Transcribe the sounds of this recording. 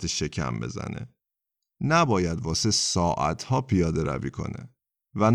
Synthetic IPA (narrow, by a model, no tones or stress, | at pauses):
t̪ʰeʃe̞cʰæ̰mbe̞̰zæ̰nḛ | næbɒːjæd̪vɒːsesɒːʔæ̰t̪ʰhɒːpʰijɒːd̪eɾæ̰viːkʰo̞̰nḛ | væn